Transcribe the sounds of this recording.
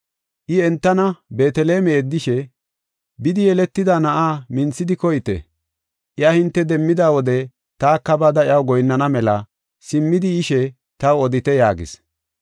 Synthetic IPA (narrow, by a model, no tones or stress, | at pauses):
ʔɪɛnt̪ːɐnɐbe̞ːt̪ɛle̞ːmɛːd̪ːɪʃɛ | bɪd̪ɪjɛlɛt̪ːɪd̪anɐʔaːmɪnt͡sːɪd̪ɪkɔjt̪ɛ̰ | ʔɪahɪnt̪ːɛd̪ɛmːɪd̪aːwɔd̪ɛ | t̪aːkːɐbaːd̪ɐʔɪɐwɡɔjnːɐnɐmɛlɐ | sɪmːɪd̪ɪɪʃɛ | t̪ɐwɔd̪ɪt̪ɛjaːɡɪ̰s